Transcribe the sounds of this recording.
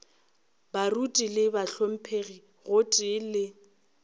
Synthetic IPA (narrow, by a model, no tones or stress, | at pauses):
barutʼilɪbaɬom̩pʰeɣi | ɣʊtʼɪlɪ